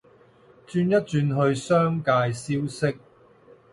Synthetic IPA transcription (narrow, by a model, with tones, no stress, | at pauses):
t͡ʃyː˧njɐ˥t̚t͡ʃyː˧nɦɵ˧ɥsœː˥ŋkaː˧jsiː˥wsɪ˥k̚